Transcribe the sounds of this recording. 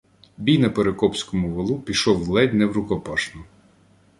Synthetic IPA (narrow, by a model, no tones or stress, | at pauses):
bʲijnɐpeɾekɔpsʲkɔmʊʋɔlˠupʲiʃɔwlˠɛdʲnɛwɾʊkɔpɑʃnʊ